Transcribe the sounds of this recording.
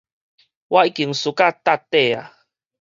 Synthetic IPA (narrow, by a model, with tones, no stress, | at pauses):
wa˦i˦ki˨ŋsu˨˦ka˦˧t̪a˦˧t̪e˦˨a̰˨